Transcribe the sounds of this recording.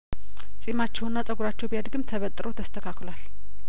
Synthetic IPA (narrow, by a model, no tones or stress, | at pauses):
t͡sʼimat͡ʃːɛwnːat͡sʼəɡuɾat͡ʃːɛwbiad̪ɡɨmt̪ʰəβət̪ʼːɾʔo̞t̪ʰəst̪ʰəkʰaklwal